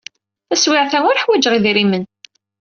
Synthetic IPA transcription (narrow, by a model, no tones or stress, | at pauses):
θæswiʕθæŋʊɾħwæd͡ʒʁiðiɾimən